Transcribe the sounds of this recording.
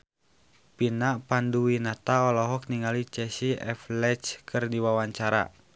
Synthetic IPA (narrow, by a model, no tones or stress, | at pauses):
pinapanduwinat̪aɔlɔɦɔk̚niŋalit͡ʃɛsiɛ̰flɛt͡ʃkʰɨrdiwawaɲt͡ʃaɾa̰